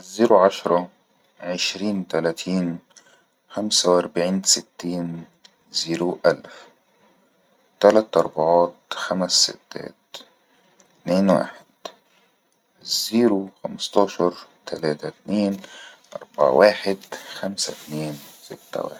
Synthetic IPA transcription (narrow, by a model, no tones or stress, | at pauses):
ʔzːiːɾuʕaʃɾˤɑ | ʕɪʃɾiːnt̪ælæːt̪ʰiːn | xamsawʔɑɾˤbaʕiːnsɪt̪ːiːn | ziːɾuʔalf | t̪alat̪ʔɑɾˤbɑʕɑːt̪xamæsːɪ̰t̪ːæ̰ːt̪̚ | t̪neːnwa̰ːħɪd̪̥ | ziːɾuxamɑst̪ɑːʃɑɾˤt̪ʰalaːt̪at̪neːnʔɑ̰ɾˤba̰ʕ̰wʔaːħɪd̪xamsat̪neːnsɪt̪ːa̰wa̰ː